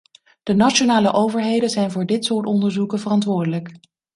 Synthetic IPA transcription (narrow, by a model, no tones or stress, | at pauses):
d̥ənat͡ʃonaːləʔowvəɹɦejdənzɛjnvʊːɹdɪtsʊːɹtɔndəɹzukəvərɑntʋʊːɹdələk